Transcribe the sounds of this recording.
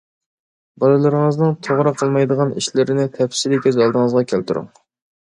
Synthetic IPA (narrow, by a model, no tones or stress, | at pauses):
bɑlˠɨlˠɨɾəŋəznɨŋt̪ʰoʁɾɑqʰːəlˠmɑjd̪əʁɑnḭʃlɪɾɪnɪt̪ʰɛfsɪɾɪkʲɛzɑlˠd̪əŋəzʁɑkʲʰælt̪uɾʊ̰ŋ